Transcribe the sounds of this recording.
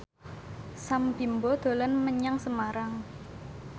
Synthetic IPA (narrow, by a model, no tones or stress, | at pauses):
sambimbɔd̪̥o̤lanməɲaŋsəmaɾaŋ